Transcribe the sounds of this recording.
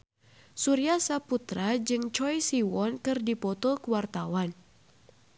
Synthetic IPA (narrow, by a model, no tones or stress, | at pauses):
suɾiasaput̪ɾad͡ʒɨŋt͡ʃɔjsiwɔnkɨrdipɔt̪ɔkəwart̪awan